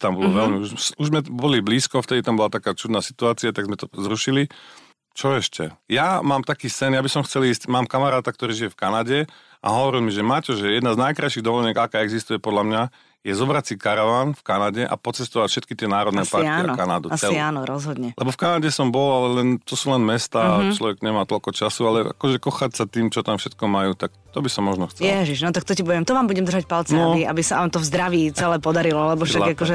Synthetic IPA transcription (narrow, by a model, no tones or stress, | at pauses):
t̪ambɔlɔʋɛlmiuʒuʒzmɛbɔlibliːskɔft̪ɛd̪it̪ambɔlat̪akaːt͡ʃud̪naːsi̥t̪uaːt͡siat̪aɡzmɛt̪ɔzɾuʃili | t͡ʃɔɛʃcɛ̰jamaːmt̪akiːsɛnjabisɔmxt͡sɛliːscmaːmkamaɾaːt̪ak̚t̪ɔɾiːʒijɛfkanaɟɛ | a̰ɦɔʋɔɾilˠmiʒɛmacɔʒɛjɛd̪naznajkɾaɪʃiɣd̪ɔʋɔlɲɛɡakaːɛɡzist̪ujɛpɔd̪lamɲa | jɛzɔbɾat͡sickaɾaʋaːnfkanaɟɛʔa̰pɔt͡sɛst̪ɔʋacfʃɛt̪kit̪ɪɛnaːɾɔd̪nɛpaɾaːnɔkanad̪uasiaːnɔɾɔzɦɔd̪ɲɛlʔɛbɔfkanaɟɛsɔmbɔlalɛlɛnt̪ɔsuːlɛnmɛst̪aːt͡ʃlɔʋɛɡɲɛmaːt̪ɔlkɔt͡ʃasualɛʔa̰kɔʒɛkɔxacsat̪iːmt͡ʃɔt̪amfʃɛt̪kɔmajuːt̪ak̚t̪ɔbisɔmːɔʒnɔxt͡sɛjlɛʒiʒnɔt̪ak̚t̪ɔcibuɟɛmt̪ɔʋaːmbuɟɛmd̪r̩ʒac̚palt͡sɛia̰bisaʋaːmt̪ɔvzd̪ɾaʋiːt͡sɛlɛːpɔd̪aɾilɔlɛbɔfʃaɡakɔʒɛ